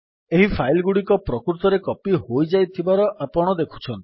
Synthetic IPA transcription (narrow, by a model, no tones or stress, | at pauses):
eɦipʰajlɡuɽikɔpɾɔkɾut̪ɔɾekɔpiɦojd͡ʒajt̪ʰibaɾɔʔapɔɽ̃ɔd̪ekʰu̥t͡ʃʰɔnt̪i̥